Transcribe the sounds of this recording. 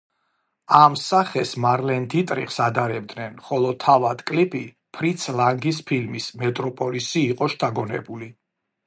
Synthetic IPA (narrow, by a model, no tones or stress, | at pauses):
amsaχɛsmaɾlɛnd̪ʰit̪ʼɾḭχsad̪aɾɛbd̪nɛnχɔlˠɔt̪ʰːavad̪kʼlipʰi | pʰɾit̪sʰlaŋɡis̬pʰilmismɛt̪ʼɾɔpʼɔlisiːqʼɔʃt̪ʰaɡɔnɛ̰buli